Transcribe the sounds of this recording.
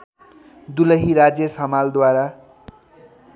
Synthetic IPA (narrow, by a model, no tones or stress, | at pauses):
d̪ulʌɦiɾad͡zjʌsʌmald̪waɾa